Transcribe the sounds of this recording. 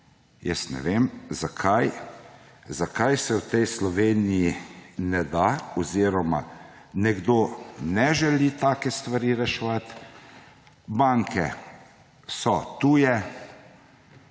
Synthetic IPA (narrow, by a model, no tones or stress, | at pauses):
jə̰snɛ̰ʋeːmzakʰaj | zakajsɛwt̪ɛjslɔʋeːnijinɛd̪aɔziɾɔma̰ | nɛɡd̪onɛʒɛlit̪aːkɛst̪ʋaɾiɾɛʃɛʋat̪ | baŋkʰɛ̰ | sɔt̪uːjɛ